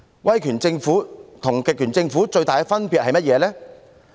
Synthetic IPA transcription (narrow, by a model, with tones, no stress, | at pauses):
wɐ˥jkʰyː˨˩nt͡sɪ˧ŋfuː˨˥t̪ʰʊ˨˩ŋkɪ˨k̚kyː˨˩nt͡sɪ˧ŋfuː˨˥t͡ʃɵ˧ɥt̪aː˨kɛ˧fɐ˥npiː˨t̚hɐ˨jmɐ˥t̚jɛː˨˧lɛː˥